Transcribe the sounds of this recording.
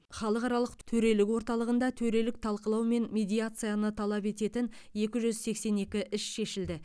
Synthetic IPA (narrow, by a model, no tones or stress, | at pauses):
χɑlˠəqɑɾɑlˠəqt̪ʰɵɾe̞lɪkwo̞ɾt̪ɑlˠəʁənd̪ɑt̪ʰɵɾe̞lɪk̚t̪ʰɑlˠqəlˠɑwme̞nmʲe̞d̪ʲijat̪sɨjanət̪ʰɑlˠɑpe̞t̪e̞t̪ɪnje̞kʲɪʒʏzse̞kse̞ne̞kʲɪʔɪʃʃe̞ʃɪld̪ɪ